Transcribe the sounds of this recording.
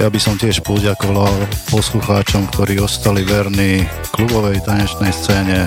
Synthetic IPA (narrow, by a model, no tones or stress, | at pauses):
jabisɔmcɪɛʃpɔɟakɔʋalpɔsluxaːt͡ʃɔmkt̪ɔɾiːɔst̪aliʋɛɾni | klubɔʋɛjt̪aɲɛt͡ʃnɛjst͡sɛːɲɛ